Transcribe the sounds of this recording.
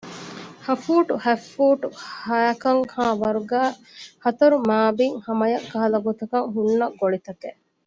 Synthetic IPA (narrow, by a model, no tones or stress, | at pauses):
hɐfuːʈuhæfːuːʈuhɐɐkɐŋhaːʋɐɾuɡæː | hɐt̪ɐɾumaːbiŋhɐmɐjɐkːɐɦɐlɐɡot̪ɐkɐŋɦunːɐɡoɭit̪ɐke